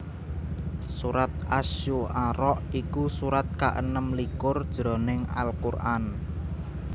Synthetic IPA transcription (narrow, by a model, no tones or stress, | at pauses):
suɾat̪̚aʃuʔaɾɔʔikusuɾat̪̚kaʔə̰nəmlikʊrd̥ʒ̥ɾɔ̤nɪŋa̰lkurʔan